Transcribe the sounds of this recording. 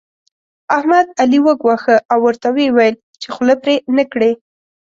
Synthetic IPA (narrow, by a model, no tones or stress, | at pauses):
ahmad̪aliwəɡwaxəʔawːəɾt̪awewajl | t͡ʃexləpɾenəkɽe